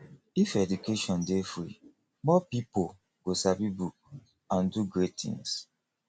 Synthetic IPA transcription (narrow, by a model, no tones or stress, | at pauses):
ifɛdukeʃɔ̃ndefɹḭ | mɔpipo | ɡ̥osabibuk̚ | ãnduɡɹettḭ̃ŋs